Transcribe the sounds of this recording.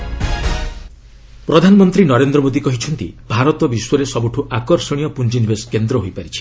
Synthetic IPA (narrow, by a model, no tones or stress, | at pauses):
pɾɔd̪ʱanɔmɔnt̪ɾinɔɾend̪ɾɔmod̪ikɔɦit͡ʃʰɔnt̪ḭbʱaɾɔt̪ɔbiswɔɾesɔbuʈʰuʔakɔɾsɔɽ̃ijɔpund͡ʒinibʱeskend̪ɾɔɦojpaɾit͡ʃʰi̥